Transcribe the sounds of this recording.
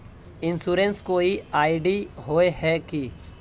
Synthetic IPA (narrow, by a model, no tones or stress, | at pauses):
ɪ̃nsuːɾẽnskoːiaːɪɖiɦoːeɦɛki